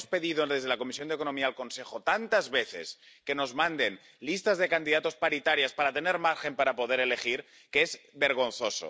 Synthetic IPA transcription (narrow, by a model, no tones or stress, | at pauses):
spe̞ðið̞oðezð̞elako̞misjond̪eko̞no̞miaːlko̞nse̞xo̞t̪ant̪azβe̞θe̞̰s | ke̞no̞zmãnd̪e̞n | list̪azðe̞kand̪iðat̪o̞spaɾit̪aɾjaspaɾat̪e̞neɾmaɾxe̞mpaɾapo̞ð̞eɾele̞xiɾ | keezβe̞ɾɣ̞o̞n̟θo̞so̰